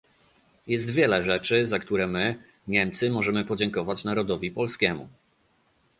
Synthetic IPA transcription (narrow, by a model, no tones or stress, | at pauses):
jɛst̪vʲjɛlɛʐɛt͡ʂɘzakt̪uɾɛmɘ | ɲɛmt̪sɘmɔʐɛmɘpɔd͡ʑɛŋkɔvat͡ɕnaɾɔd̪ɔvʲipɔlskʲɛmṵ